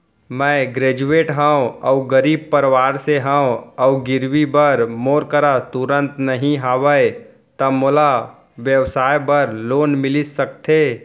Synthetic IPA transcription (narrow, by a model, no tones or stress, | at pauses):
mɛ̃ɡɾeːd͡ʒueːʈɦə̃õɐʊɡəɾiːb̚pəɾʋaːɾseɦə̃õɐʊɡɪɾwibəɾmoːɾkəɾat̪ʊɾə̃nt̪nɐɦĩɦaːʋəe | t̪ɐmola | ʋjəwsaːjbəɾloːnmɪlɪsɐkt̪ʰeː